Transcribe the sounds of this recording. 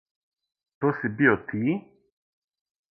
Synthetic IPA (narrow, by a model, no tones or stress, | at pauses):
t̪osibiot̪ʰi